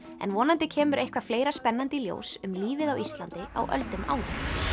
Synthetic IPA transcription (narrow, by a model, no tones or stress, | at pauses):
ɛ̰nvɔːnant̪ɪcʰɛːmʏɾʔejhkvafleːjɾaspɛnːant̪ɪljo̰ːwsʏmliːvɪðawist̪lant̪ɪa̰wʔœ̰lt̪ʏmʔa̰ːwlɪ